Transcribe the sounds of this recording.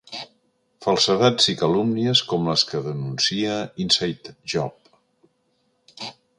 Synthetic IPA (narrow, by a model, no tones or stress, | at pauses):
fəlˠsəðad͡zikəlumniəskɔmləskəðənunsiəinsajt̪ʒɔp̚